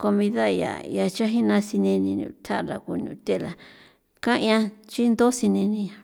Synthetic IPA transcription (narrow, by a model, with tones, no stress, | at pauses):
ko˧mĩ˧ða˦˧ja̰˨ja˧t͡ʃa˦ɦĩ˦nã˧si˧nĩ˧nĩ˧nṵ̃˧t̪ʰa˦ʔla˨ku˧nũ˧t̪e˦˨˧la˨ | kã˦ʔã˧t͡ʃi˦nd̪o˦si˧nĩ˧nĩ˧˨